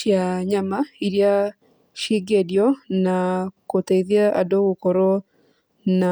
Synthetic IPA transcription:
jaɲamaiɾja | ʃiɡedjɔnakoteiðjaa̰doɣukoɾo | na

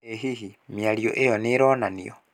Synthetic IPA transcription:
eɦihimialjo̰ʔejoniɾoːnanijo

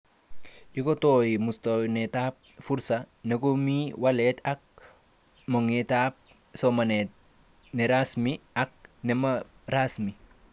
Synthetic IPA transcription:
ɟikotojimustonetap̚fuɾsa | nekomiwalɛtak̚ | moŋetap̚ | somane | neɾasmiak̚nemaɾasmi

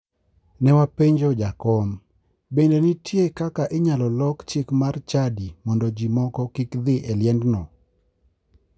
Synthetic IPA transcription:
nɛwapeɲd͡ʒod͡ʒakɔm | bendenɪtjekakaʔɪɲalɔlɔkt͡ʃɪkmart͡ʃadimɔndɔd͡ʒimɔkɔkikd̪ɪʔɛljɛndnɔ

